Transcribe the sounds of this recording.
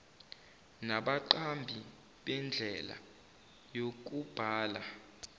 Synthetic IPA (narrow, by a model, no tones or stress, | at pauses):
naɓaǃambʱi | ɓɛnd͡ɮʱɛla̰ | jok̬ub̥ʱaːla